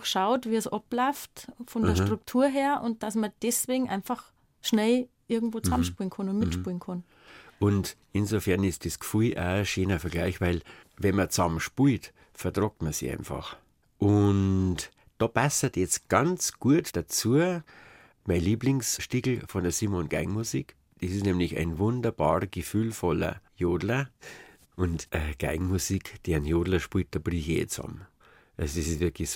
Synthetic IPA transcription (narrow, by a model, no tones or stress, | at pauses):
xʃaʊtviːəsʔɔplɔʏftfɔndəɐʃtʁ̥ʊk̚tʰuːɐɦeːɐʔʊnt̚d̥asmɐd̥ɛsveːɡŋ̩ʔaɪnfax | ʃnɛl | ʔɪɐɡŋ̩tvoːt͡samʃpunkʰʊnʊntmɪtʃpulnkʰʊn | ʔʊntʔɪnzofɛɐnɪstd̥eskfuɪʔa̰ːʃeːnəfɛɐɡlaɪçvaɪlvɛnmɐt͡sɑmʃpult | fɛɐdʁɔk̚tmɐsḭʔã̰ɪnfɑ̰χ | ʔʊnt | d̥oːpasɐtjɛt͡stɡ̥ant͡sɡ̥uətd̥at͡suːə | maɪnliːblɪŋsʃtiɡl̩fɔndəɐsiːmonɡ̥aɪŋmusik | d̥esɪsnɛmlɪça̰ɪnvʊndɐb̥ɑ̰ːʁɡ̥efyːlfɔlɐ̰joːdlɐ | ʔʊntʔəɡ̥a̰ɪŋmusikd̥eːnjoːdlɐʃpuːt̚d̥ob̥riçḛːt͡sɔ̰m | ʔasdɪssvɪɐkʰlɪç